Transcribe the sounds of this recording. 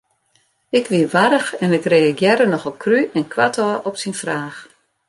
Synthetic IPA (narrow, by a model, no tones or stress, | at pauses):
ɪkʰʋiʋaɾəxɛnɪkreaɡjɛɾənɔxəlkʰryʔɛnkʰwatʰɔʔɔpsinfraːx